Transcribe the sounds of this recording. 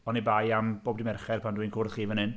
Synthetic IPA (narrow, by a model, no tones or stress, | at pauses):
ɔnibajamboːbdɪmɛrχɛrpʰandwijnkʰʊrθχiːvənɨn